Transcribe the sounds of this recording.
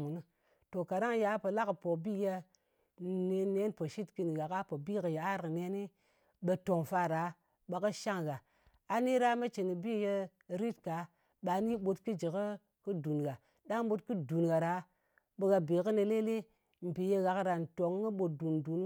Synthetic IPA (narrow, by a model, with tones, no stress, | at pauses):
mu˨nu˦ | to˨ka˨ɾa˦ŋja˦pə˨la˦kpo˨bi˦je˧ | ne˧ne˦npo˨ʃi˦tki˧nɣa˨ka˦po˨bi˦kə˨ja˨a˦ɾkne˦ni˦ | ɓe˧to˨ŋfa˧ɾa˨˦ | ɓa˨kə˦ʃa˦ŋɣa˨ | a˨ni˦ɾa˦me˦t͡ʃi˨ni˨bi˦je˧ | ɾi˦tka˨˦ | ɓa˨˦ni˦ɓo˧tkɨ˦d͡ʒi˨kə˦ | kɨ˦du˨nɡa˨ | ɗa˦ŋɓo˦tkɨ˦du˨nɡa˨ɾa˨˦ | ɓe˧ɣa˨bi˨kə˦ne˧le˦le˦ | m̩˨pi˨je˧ɣa˨kɾa˨n˨to˨ŋː˦i˦ɓo˨t̚du˨ndu˨n